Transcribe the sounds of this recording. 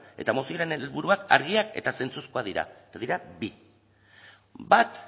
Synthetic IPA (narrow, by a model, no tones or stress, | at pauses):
e̞̰t̪amosioɾenelβuɾuaka̰ɾɣ̞iake̞̰t̪ase̞nt͡suskuaðiɾa̰et̪aðiɾabi | bat̪